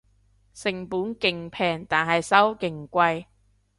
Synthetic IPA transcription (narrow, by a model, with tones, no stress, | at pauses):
sɪ˨˩ŋpuː˨˥nkɪ˨˩ŋpʰɛː˨˩ŋt̪aː˨nɦɐ˨jsɐ˥wkɪ˨˩ŋkʷɐ˧j